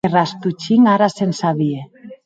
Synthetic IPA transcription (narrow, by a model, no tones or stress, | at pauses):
erast̪ut͡ʃiŋaɾasensaβie